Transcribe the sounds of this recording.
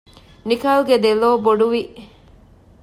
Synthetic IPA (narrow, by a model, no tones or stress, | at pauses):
nikaːlɡed̪eloːboɖuʋiʔ